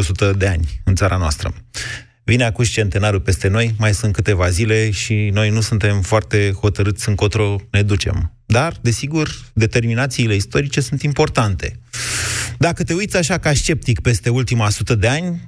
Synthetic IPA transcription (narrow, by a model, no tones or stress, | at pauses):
osut̪əd̪eanʲɨnt̪saɾʔanoa̰st̪ɾə̰ | vineakuʃt͡ʃe̞nt̪e̞naɾupe̞st̪e̞no̞jmajsunt̪̚kɨt̪e̞vazile̞ʃino̞jnusunt̪e̞mfoart̪e̞ho̞t̪əɾɨt̪sʲɨŋko̞t̪ɾo̞ne̞d̪ut͡ʃe̞̰m | d̪ard̪e̞siɡurd̪e̞t̪e̞rminat̪siːle̞ist̪o̞ɾit͡ʃe̞sunt̪impo̞rt̪ant̪e̞ | d̪akət̪e̞ujt̪sʲaʃakaʃt͡ʃe̞p̚t̪ikpe̞st̪e̞ult̪imasut̪əd̪e̞anʲ